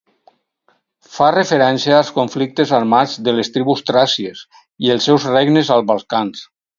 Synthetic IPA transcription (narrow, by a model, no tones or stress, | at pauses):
farefeɾɛnsiaːlˠskoɱflik̚t̪ezaɾmad͡zðelest̪ɾiβust̪ɾasies | ielˠsɛwzreɡnezalˠβalˠkans